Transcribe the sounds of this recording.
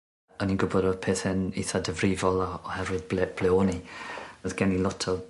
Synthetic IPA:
əninɡʊbɔdɔpʰeːθɛnḭθadəvɾiːvɔlˠaɔhɛvwɪðblb̥lɛoniðɡ̥ɛnilˠɔtʰɔ

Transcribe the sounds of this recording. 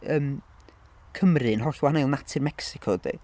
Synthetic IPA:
əːm | kʰəmrɨnɦɔɬwaanejlˠnatʰɪrmɛksɪkʰɔdḭ

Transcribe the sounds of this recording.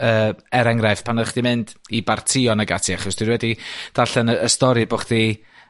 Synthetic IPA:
əːɛɾɛŋrajv̥pʰanχd̥imɨndibartʰɪɔnaɡatʰiaχɔsd̥winwɛdid̥aɬɛnəəstɔɾɨboχd̥i

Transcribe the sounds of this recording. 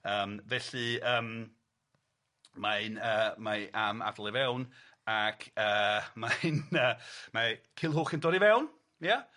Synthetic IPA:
əːmvɛɬɨəːm | maɨnəːmaʔama̰vlˠɛvɛwn | akʰəːmanəmakʰɪlˠɦuːχəndɔːdivɛwn | mija

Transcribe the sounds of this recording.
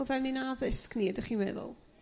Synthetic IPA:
ʊvɛmninaðɪskniːədɪχinwɛ̰ðʊ̰lˠ

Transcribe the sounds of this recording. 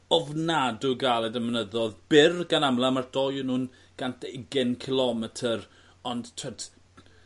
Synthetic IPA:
ɔvnadʊɡalˠɛdəmnəðɔðb̥ɪrɡanamlˠamard̥ɔjənuːn | ɡ̥and̥eɡɪnkʰɪlˠɔmɛtʰər | ɔndtʰɛd

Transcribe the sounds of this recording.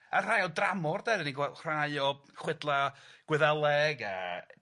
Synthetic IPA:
ar̥ajɔdramɔrdɛdəniɡwɛr̥ajɔχwɛdlˠaɡ̥wɛðɛlˠɛɡa̰

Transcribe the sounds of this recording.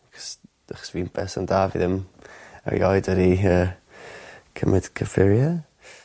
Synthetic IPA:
aɡɔ̥s | aχɔ̥sviːnbɛsandavḭðɪmə̰ɹjɔjdəɾiːə | kʰəmʔɪd̥kʰəfɪɾjə

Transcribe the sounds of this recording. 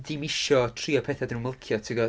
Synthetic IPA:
dɪmɪʃɔtʰriːɔpʰɛːθadnunməlˠkʰjɔtʰɪɡɔ

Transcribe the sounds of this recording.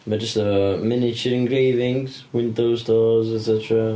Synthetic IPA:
bə̥d͡ʒʌstəmɪnɪt͡ʃɪɾɪ̃nɡɹeːvɪ̃ŋz̥ | wɪ̃ndoʊ̥stɔːzɛtsɛtəɹə

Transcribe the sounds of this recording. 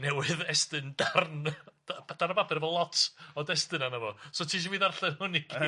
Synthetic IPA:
nɛwɪðɛstɨndarn̥aad̥anababɛɾvɔlˠɔtʰɔdɛstɨnanəvɔsotʰiːʃ̬iviːðarɬɛnʊniɡ

